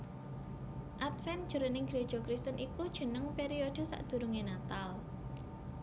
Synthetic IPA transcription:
ʔat̪fɛnd̥ʒ̥ə̤ɾənɪŋɡɾed̥ʒ̥ɔ̤kɾist̪ənʔikud̥ʒ̥ə̤nəŋpeɾiod̥ə̤sa̰ʔd̪̥ṳɾuŋenat̪al

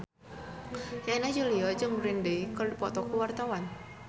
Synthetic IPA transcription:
jainad͡ʒolijɔd͡ʒəŋɾɪndekɔrdipɔt̪ɔkuwart̪awan

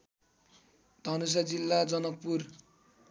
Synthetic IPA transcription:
d̪ʱʌnus̬ad͡zilːad͡zʌnʌk̚pur

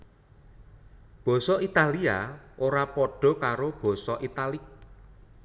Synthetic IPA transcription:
b̥ɔ̤sɔʔit̪alia̰oɾapɔɖ̥ɔ̤kaɾob̥ɔ̤sɔʔit̪alɪk̚

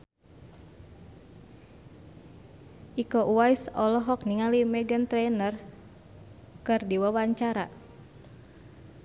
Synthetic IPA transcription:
ʔikoʔuajsɔlɔɦɔk̚niŋalimɛɡənt̪ɾɛnər | kɨrdiwawaɲt͡ʃaɾa

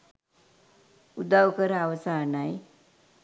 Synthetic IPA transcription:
ud̪awkəɾaʋəsanaj

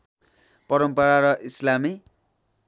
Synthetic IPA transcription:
pʌɾʌmpʌɾaɾʌʔislami

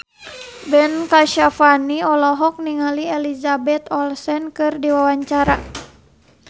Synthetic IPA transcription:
bɛnkaʃafaniɔlɔɦɔk̚niŋaliɛlizabɛt̪ɔlsɛnkɨrdiwawaɲt͡ʃaɾa

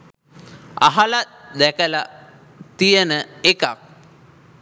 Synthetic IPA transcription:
a̰ɦalat̪d̪ækəla | t̪ijənəeka̰k̚

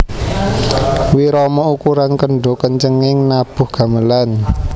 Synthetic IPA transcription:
wiɾɔmɔukuɾankəɳɖɔ̤kəɲt͡ʃəŋɪŋnab̥ʊ̤hɡ̥a̤məlan

